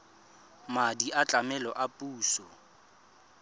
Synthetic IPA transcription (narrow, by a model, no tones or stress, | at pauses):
madiat͡ɬʼamɛlɔʔapʼuːsɔ